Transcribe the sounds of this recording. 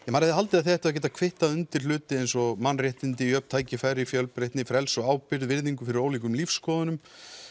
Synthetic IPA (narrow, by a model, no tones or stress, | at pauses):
jɛmaːɾɪθɪhalt̪ɪðaðθiɛht̪ɪacɛt̪̬akʰvɪht̪aðʏnt̪ɪɾ̥lʏːt̪ɪejnsɔmanːrɛht̪ɪnt̪ɪiœpn̥t̪ʰaːjcɪfaːjɾɪfjœlpɾejht̪nɪfɾɛlsɔɣaːwpɪɾðvɪɾðiŋkʏfɪɾɪɾoːwlik̬ʏmlifsːkɔːðʏnʏm